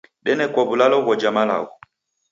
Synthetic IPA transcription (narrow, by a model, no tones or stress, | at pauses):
ɗɛnɛkɔβulalɔɣɔd͡ʒamala̰ɣɔ